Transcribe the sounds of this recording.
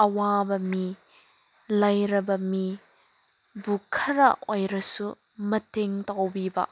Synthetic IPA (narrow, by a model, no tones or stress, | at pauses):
ɐwabɐmi | lɐjɾɐbɐmi | bukʰɐɾɐʔojɾɐsu | mɐteŋtɐwbibɐ̰